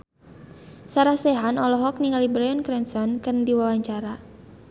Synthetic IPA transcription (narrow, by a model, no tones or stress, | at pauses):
saɾahseɦanɔlɔɦɔk̚niŋalibɾajɔnkɾɛnsɔnkɨrndiwawaɲt͡ʃaɾa